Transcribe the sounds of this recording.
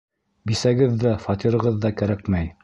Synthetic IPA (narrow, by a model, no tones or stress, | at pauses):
bisæɡɘðːæfɑt̪iɾɤ̆ʁɤðːɑkæɾækmæj